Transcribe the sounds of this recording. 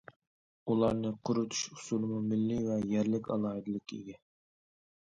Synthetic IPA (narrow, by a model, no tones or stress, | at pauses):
ulˠɑɾnɨqʰʊɾɨt̪ʰu̥ʃu̥sulˠɨmumɪlːivɛjæɾlɪkʲɑ̰lˠɑːɨd̪ɨlˠɪkʲḭɡʲɛ